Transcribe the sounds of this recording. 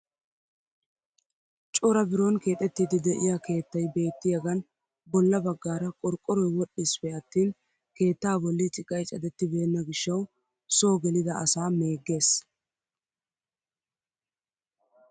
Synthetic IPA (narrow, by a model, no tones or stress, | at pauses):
t͡ʃʼɔɾɐbɪɾonke̞ːt̪ʼɛt̪ːɪd̪ɪd̪ɛʔɪjaːke̞ːt̪ːɐjbe̞ːt̪ːɪjɐɡɐn | bɔlːɐbɐɡːaːɾɐkʼɔɾkʼːɔɾɔjwɔɗːɪspɛɐt̪ːiːn | ke̞ːt̪ːaːbɔlːɪt͡ʃʼɪkʼːɐjt͡ʃʼɐd̪ɛt̪ːɪbe̞ːnːɐɡɪʃːɐw | so̞ːɡɛlɪd̪ɐʔɐsaːme̞ːɡːe̞ːs